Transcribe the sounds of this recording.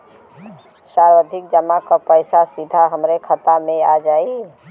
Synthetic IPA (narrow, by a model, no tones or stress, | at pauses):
saːɾwəd̪ʱɪkd͡ʒəmakapəɪsasɪd̪ʱaɦəmɾekʰət̪amẽad͡ʒaːi